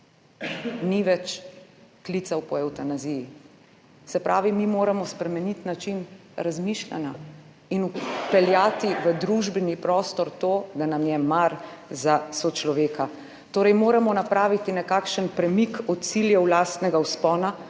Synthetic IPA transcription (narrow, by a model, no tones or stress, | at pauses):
niʋɛt͡ʃk̪lit̪sawpɔɛwt̪anaziji | sɛpɾʔaːʋimimoːɾamɔspɾɛmɛnit̪nat͡ʃinɾazmiʃla̰na | inupɛljaːt̪iʋəd̪ɾuʒbɛnipɾɔːst̪ɔɾt̪oːd̪anamjɛmaɾ | zasɔt͡ʃlɔʋeːka | t̪oːɾɛjmoːɾamɔnapɾaːʋit̪inɛkaːkʃənpɾɛmikɔt̪̚t̪siljɛwlaːst̪nɛɡawspɔːna